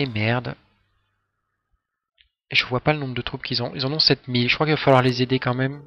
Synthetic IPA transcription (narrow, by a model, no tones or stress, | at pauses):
emɛʁd̪ | eʒəvwapalənɔ̃bʁəd̪ət̪χupkʲilzɔ̃ilzɑ̃nɔ̃sɛt̪milʒəkχwakilvafalwaʁlezed̪ekɑ̃mɛm